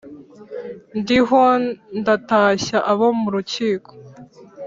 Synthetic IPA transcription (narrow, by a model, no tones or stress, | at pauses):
ndiɦo̞ndataɕaʔaβomuɾuciːkʰo̥